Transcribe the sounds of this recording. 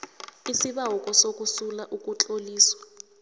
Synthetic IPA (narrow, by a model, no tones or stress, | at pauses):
isiɓaukʼɔsok̬ʼusulaʔuk̬ʼut͡ɬʼoliːswḁ